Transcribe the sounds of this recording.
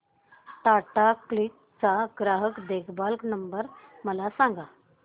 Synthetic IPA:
ʈaʈaklik̚ | t͡saɡɾaɦəkd̪ekʰbalknəmbəɾ | məlasãŋɡa

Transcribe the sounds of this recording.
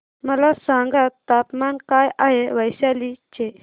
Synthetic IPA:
məlasãŋɡat̪ːapmankajaɦeʋəjɕalit͡ɕe

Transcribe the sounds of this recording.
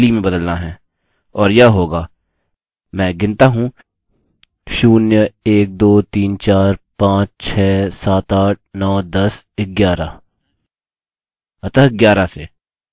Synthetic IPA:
limẽbəd̪əlnaɦɛ̃ː | ɔːɾjaːɦoːɡaː | mɛ̃ːɡɪ̃nt̪aɦũ | ʃuːnjəeːk̚d̪oːt̪iːnt͡ʃaːɾpãːt͡ʃt͡ʃʰɛːsaːt̪aːʈ̚nɔːd̪əs | ɪɡjaːɾaː | ət̪əɦɪɡjaːɾaseː

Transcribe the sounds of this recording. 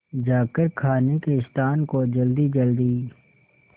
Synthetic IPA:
d͡ʒaːkəɾkʰaːnekeɪst̪aːnkod͡ʒɐld̪id͡ʒɐld̪iː

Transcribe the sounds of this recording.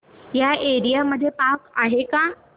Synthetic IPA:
jaeɾijaməd̪ʱːjepakaɦekã

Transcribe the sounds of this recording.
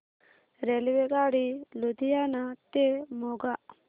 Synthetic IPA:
ɾelʋeɡaːɽilud̪ʱijanat̪emoɡaʔ

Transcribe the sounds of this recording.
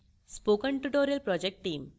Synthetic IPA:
spokəɳʈuʈoɾijɐlpɾɔd͡ʑek̚ʈʈːiːm

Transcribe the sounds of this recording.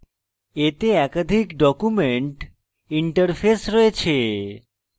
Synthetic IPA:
et̪eɛkəd̪ʱikɖɔkumeɳʈ | iɳʈəɾfʰesɾɔet͡ʃʰe

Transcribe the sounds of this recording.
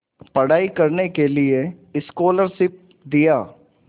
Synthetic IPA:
pɐɽaːikɐɾnekelieɪskoːləɾʃɪp̚ | d̪ijaː

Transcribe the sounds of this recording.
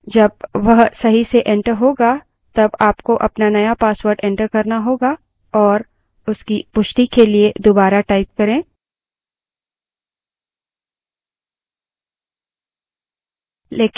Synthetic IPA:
d͡ʒɐb̚ʋɐɦsɐɦiseʔɛ̃ɳʈəɾɦoːɡa | t̪ɐbaːpkoʔɐpnanɐjapaːswəɾɖɛ̃ɳʈəɾkɐɾnaɦoːɡa | ɔːɾ | ʊskipʊʃʈikelied̪obaːɾaʈaːɪp̚kɐɾẽː | leːk

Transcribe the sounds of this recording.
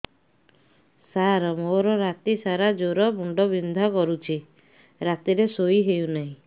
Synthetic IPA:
saɾɔmoɾɔɾat̪isaɾad͡ʒoɾɔbuɳɖɔbind̪ʱakɔɾut͡ʃʰi | ɾat̪iɾesoiɦeunaɦĩ

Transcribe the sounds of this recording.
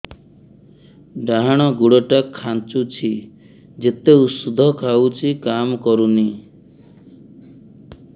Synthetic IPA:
ɖaɦaɽ̃ɔɡuɽɔʈakʰːant͡ʃut͡ʃʰi | d͡ʒet̪eusud̪ʱɔkʰawt͡ʃʰikamkɔɾuni

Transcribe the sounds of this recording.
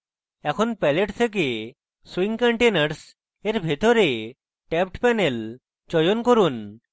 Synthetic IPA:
ɛkʰɔnpɛleʈt̪ʰek̬e | swiŋkaɳʈenəɾs | eɾbʱet̪ɔɾe | ʈɛp̚ʈpɛnel | t͡ʃɔjɔnkɔɾun

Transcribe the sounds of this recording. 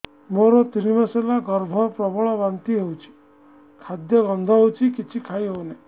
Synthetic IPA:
moɾɔt̪iɾimaselaɡɔɾbʱɔpɾɔbɔɭɔbant̪iɦewt͡ʃʰi̥ | kʰad̪jɔɡɔnd̪ʱɔɦewt͡ʃʰikit͡ʃʰikʰaiɦewne

